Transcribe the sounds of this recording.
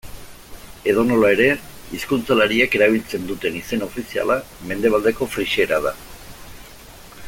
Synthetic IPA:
e̞ðo̞no̞lae̞ɾe̞iskunt͡salaɾiake̞ɾaβ̞ilt͡se̞nd̪ut̪e̞nise̞nao̞fisia̰lame̞nd̪e̞β̞ald̪e̞ko̞fɾiʃe̞ɾað̞a

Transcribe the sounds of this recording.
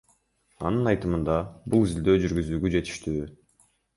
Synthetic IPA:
ɑ̰nɯnɑjt̪ɯmɯnd̪ɑbulˠizild̪ø̞ːd͡ʒyɾɡyzyːɡyd͡ʒe̞t̪i̥ʃt̪yː

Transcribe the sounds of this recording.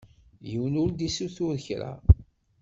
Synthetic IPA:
jəwnʊɾd̪isuθuɾçɾa̰

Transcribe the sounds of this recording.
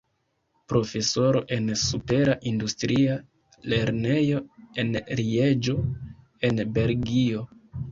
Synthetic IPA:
pɾo̞fe̞so̞ɾo̞ʔe̞nsupe̞ɾaʔindustɾia | le̞ɾne̞jo̞e̞nɾied͡ʒo̞ | e̞nbe̞lɡio̞

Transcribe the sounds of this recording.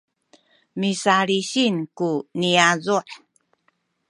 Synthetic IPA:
misaɾiɕinkuniazuʔ

